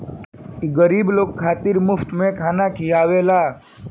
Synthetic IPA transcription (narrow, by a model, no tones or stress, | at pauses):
iɡəɾiːbloːkkʰːaːt̪iɾmʊft̪mẽkʰaːnakʰijaːʋeːla